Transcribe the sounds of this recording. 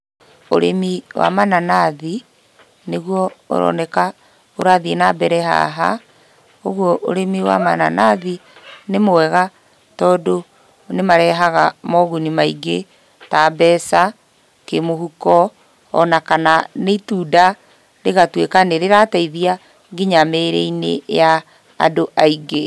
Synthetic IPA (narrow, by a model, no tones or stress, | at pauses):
o̰ɾemiwʔa̰mananaði | neɣwɔo̰ɾɔ̰nɛka | oɾaðienabɛɾɛɦa̰ɦa | oɣwɔʔo̰ɾemiwa̰mana̰naðinemowɛɣa | tɔːdo | nemaɾɛɦaɣamɔɣunimaiɡe | taːbɛsa | kemohukɔ̰ː | nakananeituːda | ɾeɣatwekaneɾeɾataiðia | ɡiɲameɾɛinḛja̰ː | doʔaiɡe